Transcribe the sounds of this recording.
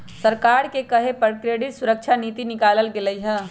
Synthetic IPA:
səɾkaːɾkekəɦepəɾkɾeːɖɪʈ̪sʊɾək̚t͡ʃʰaniːt̪inɪkaːləlɡeləiɦɛː

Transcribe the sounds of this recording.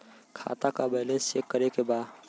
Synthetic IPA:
kʰa̰ːt̪akabeɦlẽsekːəɾekebaːd̪

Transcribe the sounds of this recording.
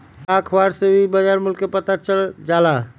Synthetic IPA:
akʰbaɾsebʱibəd͡ʒaɾmulkepət̪at͡ʃəld͡ʒala

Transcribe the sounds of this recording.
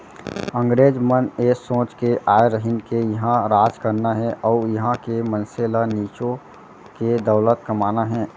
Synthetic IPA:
ə̃ŋɡɾeːd͡ʒməneːsõːt͡ʃkeʔaːeɾəɦɪnkejɐɦãɾaːd͡ʒkəɾnaɦɛʔɔːɾjɐɦãkemənseːlaniːt͡ʃõ | ked̪əʊlət̪̚kəmaːnaɦɛ̃ː

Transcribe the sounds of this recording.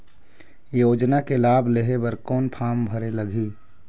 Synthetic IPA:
joːd͡ʒnakelaːbʱleɦebəɾkɔːnpʰaːmbʱəɾeləɡʱiː

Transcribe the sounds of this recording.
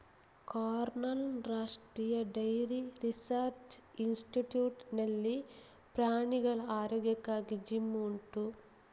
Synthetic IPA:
kaːɾnɐlɾaːʂʈɾiːjɐɖɐjɾiɾisaɾt͡ʃinsʈiʈjuːʈnɐlːi | pɾaːɳiɡɐɭaːɾɔːɡjɐkːaːɡid͡ʒimːuɳʈu

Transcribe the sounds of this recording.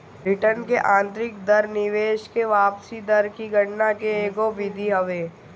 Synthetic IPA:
bɾɪʈənkeʔãːnt̪ɾɪkd̪ɐɾnɪʋeːʃkeʋaːpsid̪ɐɾkiɡʱɐʈnakeeːkoʋɪd̪ʱiɦɐʋeː

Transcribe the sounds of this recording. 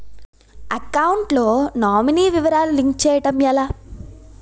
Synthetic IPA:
ɐkɐwuɳʈloːnaːminiːʋiʋɐɾaːluliŋkt͡ʃɛːjɐʈɐmjɐlaː

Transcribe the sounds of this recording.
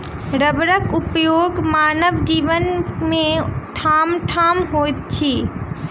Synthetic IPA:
ɾəbɾəkupjoɡmanəʋd͡ʒiːʋənmẽʈʰamʈʰamɦojt̪̚t͡ʃʰi

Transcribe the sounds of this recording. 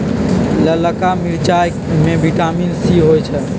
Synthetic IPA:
lələkamiɾt͡ʃaj | mebiʈamilsiɦojt͡ʃʰɛ

